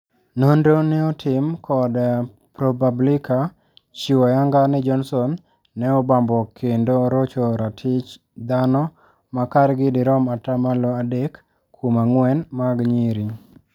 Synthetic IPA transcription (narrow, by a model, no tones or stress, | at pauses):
nondonɛɔtʰɪmkʰɔd | pɾobablɪkʰa | t͡ʃiwɔjaŋɡanɪd͡ʒɔnsɔnː | ɛɔbambɔkʰendoɾot͡ʃoɾatʰɪt͡ʃ | d̪anɔ | makaɾɡɪdɪɾɔmatamaloadekʰː | omaŋwɛnmaɡɲiɾi